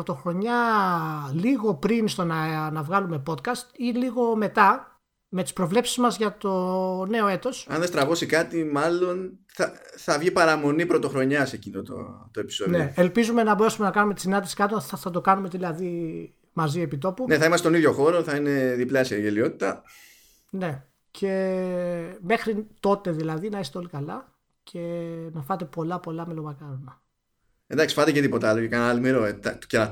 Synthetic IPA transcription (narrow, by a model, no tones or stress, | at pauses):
ɾot̪o̞xɾo̞ɲɐ | liɣo̞pɾinst̪o̞nɐnɐvɣɐlume̞po̞t̪kɐst̪iliɣo̞me̞t̪ɐ | met̪i̥spɾo̞vle̞psi̥zmɐzʝɐt̪o̞ne̞o̞e̞t̪o̞sɐ̰nðest̪ɾɐvo̞sikɐt̪imɐlo̞nθɐθɐvʝipɐɾɐmo̞nipɾo̞t̪o̞xɾo̞ɲɐse̞cinot̪o̰t̪oe̞pi̥sonðe̞elpizume̞nɐbo̞ɾe̞sume̞nɐkɐnumet̪i̥sinɐnd̪isi̥kɐt̪oθɐt̪o̞kɐnume̞ðilɐði | mɐzie̞pit̪o̞puneθɐimɐset̪oiðʝo̞xo̞ɾo̞θɐine̞ðipleɐseɾʝelio̞t̪i̥t̪ɐ | ne̞ | cʰe̞ | me̞xɾit̪o̞t̪e̞ðilɐðinɐist̪eo̞likɐlɐ | cʰe̞nɐfɐt̪e̞po̞lɐpo̞lɐmelovɐkɐɾonɐ | end̪ɐksi̥fɐt̪ecet̪ipo̞t̪ɐɐlocekɐnalmiɾo̞et̪ɐt̪ceɐ